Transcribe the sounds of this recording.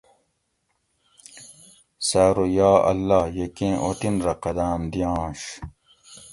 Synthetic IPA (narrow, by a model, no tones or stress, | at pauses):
saːɾojaːɐ̰lːaːjekẽːʔot̪inɾɐqɐd̪aːmd̪ijɑ̃ːɕ